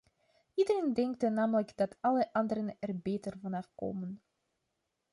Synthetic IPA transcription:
idərendɛŋktənaːmələkd̥ɑtʰɑləʔɑndəɾənɛrbeːtərvɑnɑfko̰ːmən

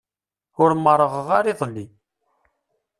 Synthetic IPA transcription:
ʊɾməɾˤəʁʁaɾiðˤlːi

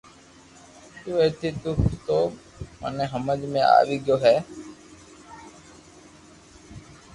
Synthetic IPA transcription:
t̪uːeːt̪ʰiːt̪ʊkt̪oː | mə̰nẽːɦəməd͡ʒmẽːa̰ːʋiːɡjoːɦɛː

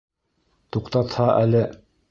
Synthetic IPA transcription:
t̪uqt̪ɑt̪hɑʔælɘ

